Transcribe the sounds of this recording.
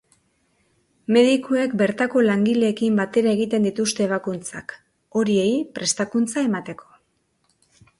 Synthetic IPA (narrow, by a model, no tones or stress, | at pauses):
me̞ðikʰoe̞kbe̞ɾt̪ako̞laŋɡile̞ːkimbat̪e̞ɾae̞ɣit̪e̞nd̪it̪ust̪e̞ːβakunt͡sa̰k | o̞ɾie̞jpɾe̞st̪akunt͡sae̞mat̪e̞kʰo̞̥